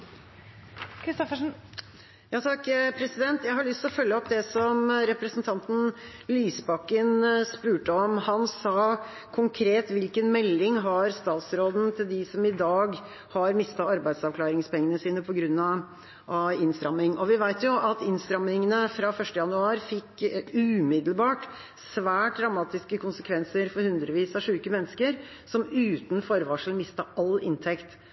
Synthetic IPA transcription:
kɾɪst̪ɔfəʂn | jɑːt̪ʰɑkːpʰɾɛsɪd̪ɛnt̪jæɪhɑɭʏst̪lɔfœlːəɔpːd̪ɛsɔmɾɛpɾəsənt̪ʰɑnt̪n̩lyːsbɑkːənspʉːʈəɔmhɑnsɑː | kʰʊŋkʰɾeːt̪ʋɪlkənmɛlːɪŋɦɑɾst̪ɑːt̪sɾoːd̪n̩t̪ʰɪld̪ɪsɔmɪd̪ɑːɡ | hɑɾmɪst̪ɑɑɾbæɪd̪sɑʋkʰlɑːɾɪŋspɛŋːənəsiːnəpʰɔɡɾʉnːɑ | ʔɑɪnst̪ɾɑmːɪŋɔʋɪʋæɪt̪jʊʔɑt̪ɪnst̪ɾɑmːɪŋənəfɾɑfœʂʈəjɑnʉɑːɾfɪkːʉːmɪd̪lbɑːʈ | sʋæːʈɾɑmɑːt̪ɪskəkʰʊnsəkʰʋɛnsəɾfɔɾhʉnd̪ɾəʋiːsɑʂʉːkəmɛnːəskəɾ | sɔmʉːt̪n̩fɔɾʋɑːʂl̩mɪst̪ɑʔɑlɪ̰nt̪ʰɛkt̪

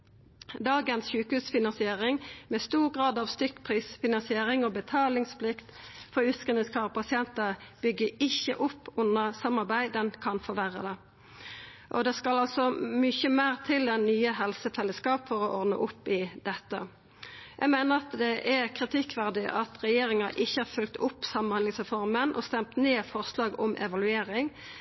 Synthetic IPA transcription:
d̪ɑːɡənsɕʉːkəhʉːsfɪnɑnsɪeːʁɪŋmɛst̪uːʁɡʁɑːd̪ɑʋst̪ʏkːpʰʁiːsfɪnɑnsɪeːʁɪŋɔːbət̪ʰɑːlɪŋspʰlɪkt̪fɔʉskənəskʰɑːʁpɑsɪɛnt̪əb̥ʏɡːəɪçəʔʊpːʊnːəsɑmːɑʁbæɪd̪ənkʰɑnfɔʋæʁə̰d̪ɛ | ʔɔd̪ɛskɑlɑlsɔmʏçəmæːʁt̪ʰɪld̪ɛnnːyːəɦɛlsəfɛlːəskɑːpfɔʁɔʔɔʁd̪nə̰ʔʊpːɪd̪ɛt̪ːə̰ | jʔæ̰ɪɡmæɪnəʁɑt̪d̪ɛʔɛkʰʁɪt̪ʰɪkːʋæʁd̪ɪʔɑt̪ʁɛjeːɾɪŋɑʔɪçːəɑɾfʉlk̚t̪ʊpːsɑmːənhɑnlɪŋsʁɛfɔʁmənʔɔ̰st̪ɛmt̪neːfɔʁslɑːɡɔmʔɛ̰ʋɑlʉeːɾɪŋ

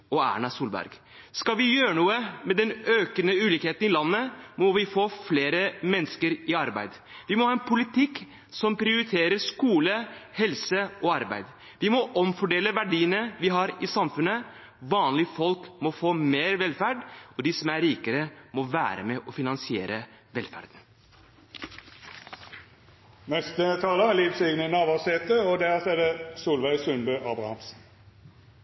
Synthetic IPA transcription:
ɔæ̰ːɳɑsuːlbæ̰ɾɡ | skɑʋɪjøːɾəɳuːəmɛd̪ɛnøːkənəʉːliːkheːt̪ənɪlɑnːəmɔʋɪfoːfleːɾəmɛnːəskəɾɪɑɾbæ̰ɪd̪ | ʋɪmɔhɑːɛnpʰʊlɪt̪ʰɪkː | sɔmpɾɪʊɾɪt̪ʰeːɾəɾʂkuːləhɛlsəɔɑɾbæ̰ɪd̪ | ʋɪmɔʔɔmfɔɖeːləʋæɖiːənəʋɪɦɑɾɪsɑmfʉnːə | ʋɑːnlɪfɔlkmɔfoːmeːɾʋɛlfæɖɔd̪ɪsɔmæɾiːkəɾəmɔʋæ̰ːɾə̰mɛʔɔfɪnɑnsɪḛːɾə | ʋɛlfæ̰ɾd̪n | nɛst̪ət̪ʰɑːləæliːfseɡnənɑːʋɑʁseːt̪əɔd̪æsɛd̪əsuːlʋæɪsʉnbøːʔɑbʁɑ̰hɑmsn̩

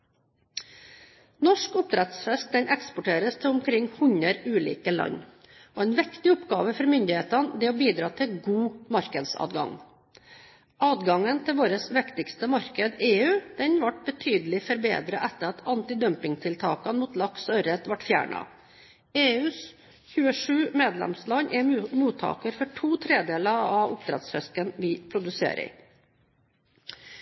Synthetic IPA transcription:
nɔʂkʊp̚t̪ɾɛt̪sfɛst̪̚d̪ɛnʔɛkspʊʈʰeːɾəst̪ʰɛʊmkʰɾɪŋːhʉɲəɾʉːlḭːkəlɑ̰ɲ | oːɛːnʋɪkt̪ɪʊpɡɑːʋəfɔɾmʏnd̪ɪheːt̪ɑnd̪ɛoːbiːd̪ɾɑːt̪ʰɪɡuːmɑɾkəd̪sɑ̰ːd̪ɡɑ̰ŋ | ʔɑːd̪ɡɑŋənt̪ʰɪlʋoːɾəsʋɪkt̪ɪkst̪əmɑɾkəd̪eːʉːd̪̥ɛnʋɑʈ̚bət̪ʰyːd̪əlɪfɔɾbḛːd̪ɾəʔæt̪ːəɾɑt̪ʰɑnt̪ɪd̪œmpɪŋt̪ʰɪlt̪ʰɑːkɑnmuːt̪lɑksœɾət̪ʋɑʈfjæ̰ːɳɑ̰ | eːʉːs | çʉːəʂʉːmeːd̪lɛ̰mslɑɲʔɛmuːt̪ʰɑ̰ːkəɾfɔʈʰuːt̪ʰɾeːd̪eːləɑʋʊp̚d̪ɾɛ̰t̪sfɛskənʋɪpʰɾʊd̪ʉsḛːɾə̰ɪ̰

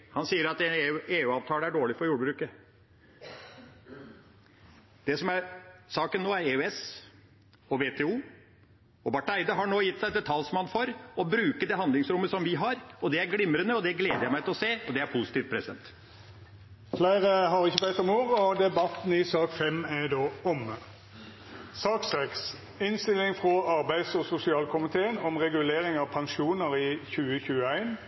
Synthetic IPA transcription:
hɑnsiːəɾɑt̪ɛneːʉːɑːʋt̪ʰɑːləæɖoːɭɪfɔɾjuːɖəbɾʉːkə | d̪̥ɛsɔmæɾsɑːkənːoːæɾeʉɛs | ɔʋeːt̪ʰɛːuː | ɔbɑʈːæɪd̪əɦɑɳoːjɪt̪ːsæɪt̪d̪ɛt̪ʰɑlsɔmɑnfɔɾɔbɾʉːkəd̪ɛɦɑnd̪lɪŋsɾʊmːəsɔmʋɪɦɑɾɔd̪ɛæɾɡɽɪmɾənəɔd̪ɛɡleːd̪əjæɪmæɪt̪ʰɪlɔseːɔd̪ɛæɾpʰʊsɪt̪iːft̪pʰɾɛ̰sd̪ɛ̰nt̪ | flæɪʁəɦɑʁɪçːəbæɪt̪ɔmuːʁəɔd̪ɛbɑt̪n̩ɪsɑːkfɛmæd̪oːʊmə | sɑːksɛks | ɪnst̪ɪlɪŋfʁɔɑʁbæɪsɔsʊsɪɑːlkʰʊmɪt̪ʰeːənɔmʁɛɡʉleːʁɪŋɑʋpʰɑŋʃuːnəʁɪçʉːəçʉːəæɪn

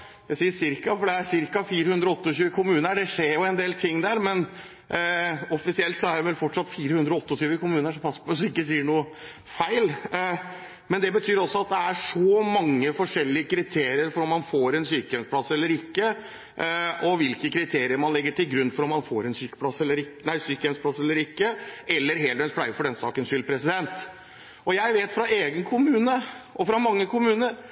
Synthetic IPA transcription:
jæɪsiːəʂɪɾkɑfɔɖɛæɾʂɪɾkɑfiːɾəhʉnd̪ɾɔɔt̪ːəɔɕʉːəkʰʊmʉːnəɖɛʂeːɾjʊɛnd̪eːlt̪ʰɪŋːd̪æːɾmɛn | ɔfɪsɪɛlt̪sɔæɖɛʋɛlfɔʈʂɑt̪fiːɾəhʉnd̪ɾɔɔt̪ːɔt̪ʰyːʋəkʊmʉːnəʂɔpʰɑsːə̥pʰɔsɪkːəs̬iːəɳuːə | fæɪl | mɛnd̪ɛbət̪ʰyːɾɔsːɔɑt̪̚d̪ɛæʂɔmɑŋːəfɔʂɛlːɪəkʰɾɪt̪ʰeːɾɪəɾfɔɾɔmːɑnfoːɾɛnsyːkəjɛmspʰlɑsɛlːəɾɪkːə | ʔɔʋɪlkəkʰɾɪt̪ʰeːɾɪəɾmɑnlɛɡːəʈʰɪlɡɾʉnːfɔɾɔmːɑnfoːɾɛnsyːkə̥pʰlɑsɛlːəɾɪknæɪsyːkəjɛmspʰlɑsɛlːəɾɪkːəɛlːəɾɦeːləɾɛnspʰlæɪəfɔɖɛnsɑ̰ːkənʂʏlpʰɾɛsɪd̪ɛnt̪ | ʔɔjæɪʋeːt̪fɾɑeːɡənkʰʊmʉːnəʔɔfɾɑmɑŋːəkʰʊmʉːnəɾ

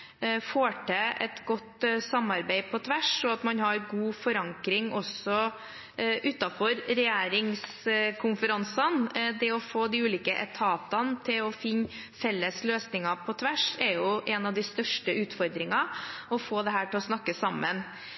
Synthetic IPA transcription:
foːʈʰeːʔɛt̪ɡɔt̪sɑmːɑɾbɛɪpʰɔt̪ʰʋæʂɔɑt̪mɑnhɑɾɡuːfɔɾɑŋkɾɪŋʔɔsɔ | ʔʉːt̪ːɑfɔɾɾɛjæːɾɪŋs | kʰʊnfəɾɑnsɑnd̪ɛɔfoːd̪iʉːliːkəʔɛt̪ʰɑːt̪ɑnt̪ʰɪlɔfɪnː | fɛlːəsløːsnɪŋɑpʰɔt̪ʰʋæʂɛjʊʔɛnɑʋd̪ɪst̪œʂʈəʉːt̪fɔɾd̪ɾɪŋɑɔfoːd̪ɛɦæːʈɪlɔsnɑkːəsɑmːən

